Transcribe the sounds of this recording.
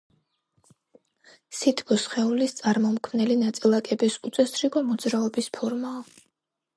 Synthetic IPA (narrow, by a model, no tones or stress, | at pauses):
sit̪ʰʼkʼɔsχɛulist̪sʼaɾmɔmkʰmnɛlinat̪sʼilˠakʼɛbisut̪sʼɛst̪ʰɾiɡʼɔmɔd̪zɾaɔbispʰɔɾmaɔ